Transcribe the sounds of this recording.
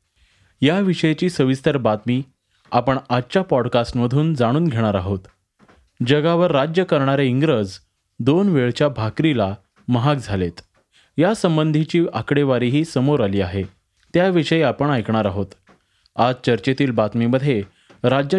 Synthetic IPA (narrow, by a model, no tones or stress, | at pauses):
jaʋiʂəjet͡ɕiːsəʋist̪əɾbat̪miː | apəɳad͡ʑt͡ɕapɔɽkasʈməd̪ʱuːnd͡zaɽ̃uːnɡʱeɽ̃aɾaɦot̪ | d͡ʑəɡaʋəɾːad͡ʑjəkəɾɳaɾeiŋɡɾəd͡z | d̪onʋeɭt͡ɕjabʱakɾila | məɦak̚d͡zʱalet̪ | jasəmbənd̪ʱit͡ɕiːakɽeʋaɾiɦiːsəmoɾaliːaɦe | t̪jaʋiʂəjapəɳajkɳaɾaɦot̪ | ad͡zt͡ɕəɾt͡ɕet̪iːlbat̪miməd̪ʱːje | ɾad͡ʑə